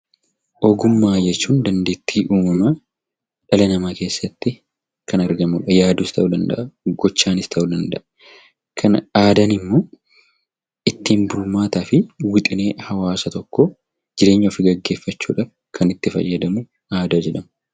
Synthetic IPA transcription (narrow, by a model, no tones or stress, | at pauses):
ʔɔɡʊmːaːd͡ʒɛt͡ʃːuːnd̪ɐnd̪eːt̪ːiːʔuːmɐmɐ | ᶑɐlɐnɐmɐke̞ːsːɐt̪ːɪ | kɐnɐɾɡɐmuːᶑɐjaːd̪ust̪ʰɐʔʊd̪ɐnd̪ɐ̰ʔɐɡ̥ɔt͡ʃːaːnɪst̪ʰɐʔʊd̪ɐnd̪ɐʔɐ̥ | kʰɐnaːd̪ɐnɪmːo̞ː | ɪt̪ːiːmbʊɾmaːt̪aːfɪwɪt̪ʼɪne̞ːhɐwaːsɐt̪ɔkːɔ | d͡ʒɪɾe̞ːɲːɐfɪɡɐɡːe̞ːfːɐt͡ʃːuːᶑɐ | kʰɐnɪt̪ːɪfɐ̰jːɐd̪ɐmʊ | ʔaːd̪ad͡ʒɛᶑɐmɐ